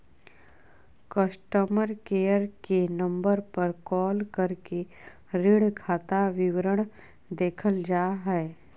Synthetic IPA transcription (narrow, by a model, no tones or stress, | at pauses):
kəsʈəməɾkeːjəɾkenə̃mbəɾpəɾkɔːlkəɾke | ɾɪɽkʰaːt̪aʋɪwɾəɽ̃ | d̪eːkʰəld͡ʒaːɦɛe